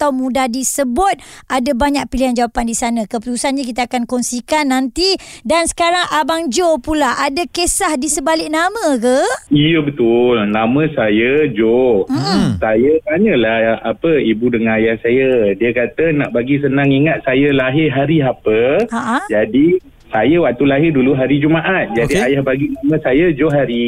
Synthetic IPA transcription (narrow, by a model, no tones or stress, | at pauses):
at̪awmũdahdisəbʊt̪̚ʔadabaɲak̚piliɦand͡ʒawapandisanãkəpət̪usanɲakit̪aakankɔnsikanːant̪idansə̥kaɾaŋʔabaŋd͡ʒopulaʔadakesahdisəbalɪk̚namə̃kəijəbət̪ʊlnamə̃sajəd͡ʒom̩sajət̪aɲəlaapəibudəŋanajahsajədiəkat̪ənaʔbaɡis̬ənaŋiŋat̪̚sajəlaɦɪɦaɾiapəaʔad͡ʒadi | sajəwak̚t̪ulaɦɪrduluɦaɾid͡ʒumaʔat̪̚d͡ʒadiajahbaɡinamə̃sajəd͡ʒoɦaɾi